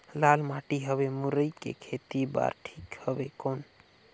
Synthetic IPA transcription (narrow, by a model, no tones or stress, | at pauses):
lalmaʈiɦəβemuɾəjkḛkʰet̪iba̰ɾʈʰikhəbekon